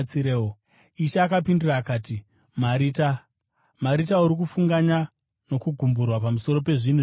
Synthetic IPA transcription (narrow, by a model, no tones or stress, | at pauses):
t͡siɾeːo | iʃeːkapindiraːkaːti | maɾita | maɾitauɾikufuŋɡaɲa | no̞kuɡʱumburwapamuso̞ɾo̞pe̞ʐin̤u